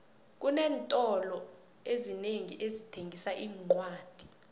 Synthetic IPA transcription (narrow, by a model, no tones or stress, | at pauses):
k̬unɛːntʼɔlɔ | ezineŋiʔezitʰeŋʱisaʔiːŋ͡ǀwaːd̥ʱi̥